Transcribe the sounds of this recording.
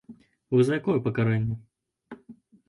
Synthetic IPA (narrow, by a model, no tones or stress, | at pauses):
vɔzɐjakɔjɛpɐkaɾɛnʲːɐ